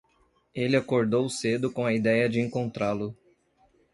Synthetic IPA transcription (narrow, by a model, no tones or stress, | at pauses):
elɪakoɾd̪owsed̪ʊkõw̃ɐid̪ɛjɐd͡ʒɪẽŋkõnt̪ɾalʊ